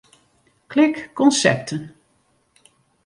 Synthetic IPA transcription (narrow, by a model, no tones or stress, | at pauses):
klɪkːɔnsɛ̰p̚tʰən